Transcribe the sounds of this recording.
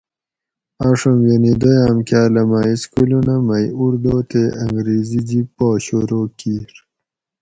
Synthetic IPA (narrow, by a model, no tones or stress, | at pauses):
aʂomjenid̪ojaːmkjaːlɐmaːiskulunamajuɾd̪oːt̪eʔɐŋɡɾeːzid͡ʑipoːɕoɾokiɾ